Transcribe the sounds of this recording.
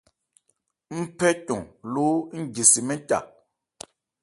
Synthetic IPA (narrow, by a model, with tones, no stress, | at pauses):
m̩˦pɛ˦cɔ˨ŋloː˦ŋ̩˦ɟi˨si˨mɛ˦ca̰˨